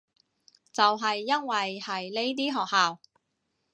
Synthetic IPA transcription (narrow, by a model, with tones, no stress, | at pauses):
t͡sɐ˨wɦɐ˨jːɐ˥nwɐ˨jhɐ˨˩jle˥jt̪̬iː˥ɦɔː˨k̚haː˨w